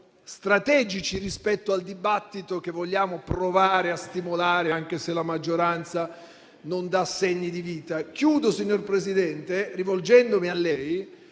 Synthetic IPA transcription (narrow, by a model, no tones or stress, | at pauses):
st̪ɾat̪ɛːd͡ʒit͡ʃirispɛt̪ːoald̪ibat̪ːit̪ok̟evːoʎːaːmopɾovaːɾeast̪imolaːɾeaŋk̟eselamad͡ʒːoɾant̪sa | nond̪asːeɲːid̪iviːt̪akjuːd̪osiɲːorpɾezid̪ɛnt̪erivold͡ʒɛnd̪omialːɛj